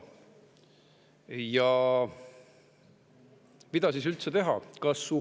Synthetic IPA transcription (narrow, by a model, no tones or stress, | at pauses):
jɑ | mid̪ɑsisylt̪set̪e̞ɦɑkɑsːu